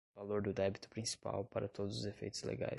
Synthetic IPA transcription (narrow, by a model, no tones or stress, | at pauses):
valoɾd̪ʊd̪ɛbit̪ʊ̥pɾĩsi̥pa̰wpaɾɐt̪od̪ʊzʊzefḛjt̪ʊzlḛɡa̰j